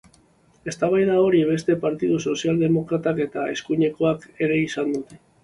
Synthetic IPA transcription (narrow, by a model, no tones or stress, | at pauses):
e̞st̪aβajðao̞ɾiβ̞e̞st̪e̞paɾt̪ið̞uso̞siald̪e̞mo̞kɾat̪ake̞t̪ae̞skuɲe̞ko̞ake̞ɾe̞isand̪ut̪e